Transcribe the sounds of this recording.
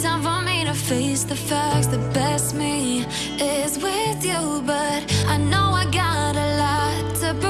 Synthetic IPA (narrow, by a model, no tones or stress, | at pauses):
zãɪ̃ɱvʌ̃mẽɪ̃ɾ̃ɨfeɪsðɨfæk̚tsðəbɛst̚mi | ɪzwɪðju | bʌɾaɪnoʊaɪɡɑɾəlɔttʰɨpʰ